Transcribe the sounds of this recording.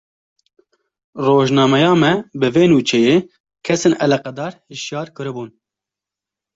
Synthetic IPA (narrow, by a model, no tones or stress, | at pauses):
roːʒnɑːmɛjɑːmɛbɨveːnuːt͡ʃʰɛjeː | kʰɛseːnʔɛlɛqɛd̪ɑːɾhɨʃjɑːɾkɨɾɨbuːn